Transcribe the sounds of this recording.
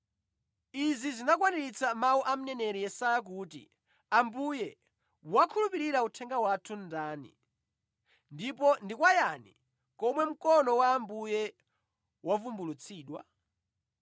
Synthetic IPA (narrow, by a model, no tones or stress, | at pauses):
izizinakwaniɾit͡samauʔam̩nɛnɛɾijɛsajak̬uːtḭ | ambujɛ | wakʰulupiɾiɾautʰɛŋɡawatʰundaːnḭ | ndip̬ɔndikwajanḭ | kɔmwɛm̩kɔnɔwaːmbujɛ | wavumbulut͡sʰiːɗwa̰